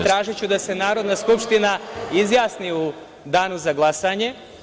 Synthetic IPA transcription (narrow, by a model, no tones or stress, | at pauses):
t̪ɾaːʒet͡ɕud̪ase̞naːɾo̞d̪naskupʃt̪inaizjaːsniu | d̪aːnuzaɡlˠasaɲe̞